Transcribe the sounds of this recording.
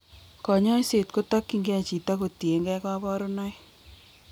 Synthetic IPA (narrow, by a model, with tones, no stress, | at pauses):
kɔ˨ɲɔ˦i˦se˨tko˦tɔ˦kːi˦ŋɡe˦a˨t͡ʃi˨ta˦ko˨ti˨e˨ŋɡɛ˦kɔ˦bɔ˦ɾo˦nɔ˦j